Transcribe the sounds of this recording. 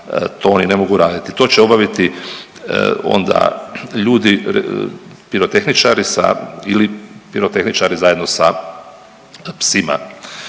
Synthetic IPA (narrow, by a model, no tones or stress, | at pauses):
t̪ʰoonine̞mo̞ɡuɾaːd̪it̪it̪o̞ːt͡ɕeo̞baʋit̪ḭ | o̞̰nd̪a̰ʎuːd̪i | piɾo̞t̪e̞xnit͡ʃaɾisa̰ilipiɾo̞t̪e̞xnit͡ʃaɾizajed̪no̞sa | psima̰